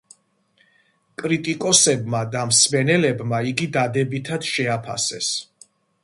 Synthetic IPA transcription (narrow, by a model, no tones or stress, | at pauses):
kʼɾit̪ʼikʼɔsɛbmad̪amsmɛnɛlɛbmaiɡid̪ad̪ɛbit̪ʰad̪̥ʃɛapʰa̰sɛs